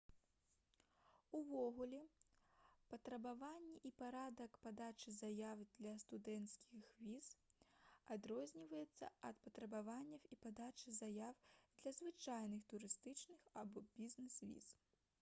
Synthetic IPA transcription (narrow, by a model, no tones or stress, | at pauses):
uvɔɣulʲɛ | pɐt̪ɾɐbavanʲːɛʔipaɾad̪ɐkpad̪at͡ʂɨzajawd̪lʲɐst̪ud̪ɛnt̪skʲixvʲiz | ad̪ɾɔzʲnʲivɐjɛt̪sːɐ̰ɐt̪pɐt̪ɾɐbavanʲːɐwipad̪at͡ʂɨzajawd̪lʲɐzvɨt͡ʂajnɨxt̪uɾɨst̪ɨt͡ʂnɨxabɔbʲiznɛsvʲḭz̥